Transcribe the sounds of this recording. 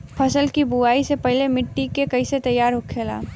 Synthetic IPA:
pʰəsəlkibuaːisepɐɦlemɪʈːikekɐiset̪ɐjːaːɾɦʊkʰeːla̰ː

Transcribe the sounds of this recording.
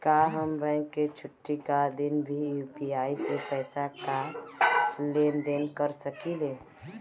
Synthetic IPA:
kaɦəmbɛ̃ɪŋkːet͡ʃʰʊʈːikad̪ɪnbʱijuːpiaːisepɛːsaka | leːnd̪enkəɾsəkile

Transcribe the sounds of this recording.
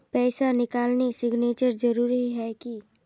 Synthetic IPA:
pɛːsanɪkaːlnesɪɡneːt͡ʃəɾd͡ʒɐɾuːɾiɦɛki

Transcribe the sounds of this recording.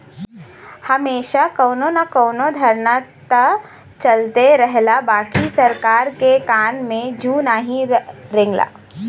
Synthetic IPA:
hɐmeːʃakɔːnonakɔːnod̪ʱɐɾnat̪ə | t͡ʃɐlt̪eɾɛɦlabaːkisɐɾkaːɾkekaːnmẽd͡ʒʱuːnaːɦĩɾɪ̃ŋɡla̰ː

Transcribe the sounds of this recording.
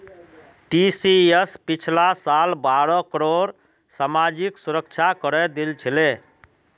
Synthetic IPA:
ʈisiespit͡ʃʰlasalbaɾɔkəɾoɾ | samad͡ʒiksuɾək̚t͡ʃʰakəɾɛd̪elt͡ʃʰile

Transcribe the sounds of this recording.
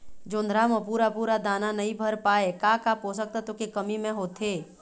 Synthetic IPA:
d͡ʒoːnd̪ɾaməpuːɾapuːɾad̪aːnanɐɦĩbʱɐɾpaːekaːkapɦosək̚t̪at̪okekəmimẽɦoːt̪eː

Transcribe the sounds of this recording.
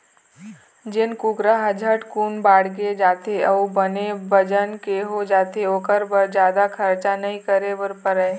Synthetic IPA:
d͡ʒɪnkuɡɾaɦəd͡ʒʱəʈkuːnbaːɽɡed͡ʒaːt̪eəubənebəd͡ʒənkeɦod͡ʒaːt̪eoːkəɾbəɾd͡ʒjaːd̪akʰɐɾt͡ʃanɐɦĩkəɾebəɾpəɾəː

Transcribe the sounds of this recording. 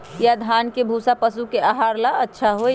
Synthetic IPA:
jad̪ʱankebʱusapəsukeaɦaɾlaətːʃʰaɦo

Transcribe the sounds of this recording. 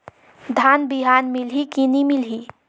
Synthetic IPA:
d̪ʱanbiɦanmilɦikinimilɦi

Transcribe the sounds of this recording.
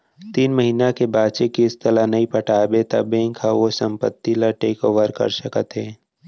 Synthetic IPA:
t̪iːnməɦiːnakebaːt͡ʃekiɪst̪əlanɐɦĩpəʈaːbet̪a̰bẽːŋkɦaʋosə̃mpə̰t̪ːilaʈeːkoːʋəɾkɐ̰ɾsəkət̪ɦẽː

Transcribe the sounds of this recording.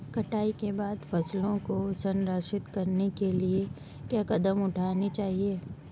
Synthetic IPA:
kɐʈaːikebaːd̪fɐslõkosɐ̃nɾəʃɪt̪kɐɾnekelie | kjaːkɐd̪əmʊʈʰaːnit͡ʃaːɦieː

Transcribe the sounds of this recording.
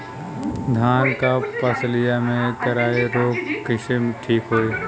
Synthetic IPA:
d̪ʱaːnkapəsəlɪjamẽk̪ɐɾaːeɾoːkkɪʃemʈʰiːkɦoːeː

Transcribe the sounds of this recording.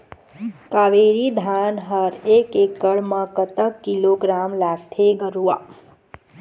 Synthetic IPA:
kaʋeɾid̪ʱanɦəɾekekːəɭmãkət̪əkːiloɡɾamlaɡt̪ʰeɡəɾua

